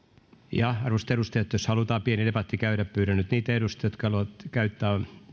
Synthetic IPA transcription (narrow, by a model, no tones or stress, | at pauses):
jɑɑrʋost̪eɾust̪ejot̪joshɑlut̪ɑːpienidepɑt̪ːikæyɾæppyːɾænyt̪niːt̪eɾust̪jot̪kɑhɑluɑt̪kæyt̪ːæː